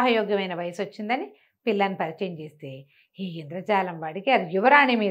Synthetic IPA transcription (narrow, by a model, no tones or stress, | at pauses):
ɦɐjɔːɡjɐmɐjnɐʋɐjɐsot͡ʃːind̪ɐni | pilːɐnːipɐɾit͡ʃɐːjɐmt͡ʃeːst̪eː | iːind̪ɾɐt͡ʃaːlɐmʋaːɽikiɐd̪ijuʋɐɾaːɳimiː